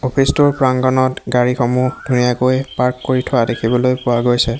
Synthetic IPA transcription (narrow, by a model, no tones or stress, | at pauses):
opʰistuɹpɹaŋɡɔnɔtɡaɹixomudʱunijakojpaɹkːoɹitʰɔadekʰibɔlojpʊwaɡojsɛ